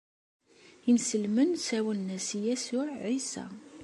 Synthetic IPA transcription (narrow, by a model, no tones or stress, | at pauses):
insəlmənsæwənːæsjæsʊʕʕisæ̰